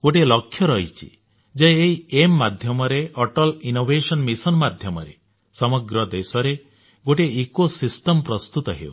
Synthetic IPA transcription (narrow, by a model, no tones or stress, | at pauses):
ɡoʈ̬elɔkʰːjɔɾɔɦit͡ʃʰḭ | d͡ʒajːiemːad̪ʱjɔmɔɾeɔʈɔlinobʱesɔnmisɔnmad̪ʱjɔmɔɾe | sɔmɔɡɾɔd̪esɔɾe | ɡoʈeːkosisʈɔmpɾɔst̪ut̪ɔɦḛw̰